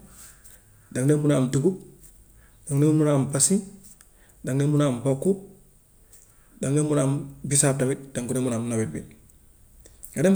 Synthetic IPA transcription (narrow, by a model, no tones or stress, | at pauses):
daŋnemunamduɡub | daŋnemunambasi | daŋnemunambokːu | daŋnemunaːmbisatamit̚d̥aŋkunemunamnobit̚bḭ | ɡade